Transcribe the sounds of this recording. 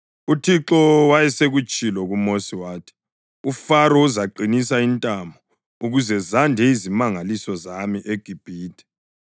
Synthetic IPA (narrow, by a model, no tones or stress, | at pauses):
utʰiǁɔwajɛseɣut͡ʃʼilɔɣumosiwaːtʰi̥ | ufaɾɔuzaǃinisaintʼambʱɔ | uɣuzɛzandʱɛizimaŋalisɔzamiʔeɡ̥ʱib̥ʱiːtʰʼɛ̥